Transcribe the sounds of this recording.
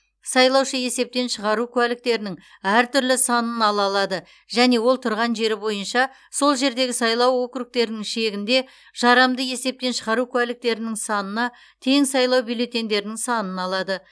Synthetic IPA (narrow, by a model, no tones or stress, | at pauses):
sɑjlˠɑwʃəje̞se̞p̚t̪e̞nʃəʁɑɾukʲʰʏwælɪk̚t̪e̞ɾɪnɪŋ | æɾt̪ʰʏɾlɪsɑnənɑlˠɑlˠɑd̪ə | ʒ̥æne̞wo̞lˠt̪ʰʊɾʁɑnʒe̞ɾɪbo̞jənʃɑ | so̞lˠʒe̞ɾd̪e̞ɡʲɪsɑjlˠɑwːo̞kɾuk̚t̪e̞ɾɪnɪŋʃe̞ɡʲɪnd̪e̞ | ʒ̥ɑɾɑmd̪əje̞se̞p̚t̪e̞nʃəʁɑɾukʲʰʊwælɪk̚t̪e̞ɾɪnɪŋsɑnənɑ | t̪ʰe̞ŋsɑjlˠɑwbijle̞t̪e̞nd̪e̞ɾɪnɪŋsɑnənɑlˠɑd̪ə